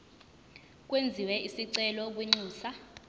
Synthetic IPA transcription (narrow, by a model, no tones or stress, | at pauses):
k̬ʼwend͡zʱiwɛisiǀɛlɔk̬wiŋ͡ǀiːsa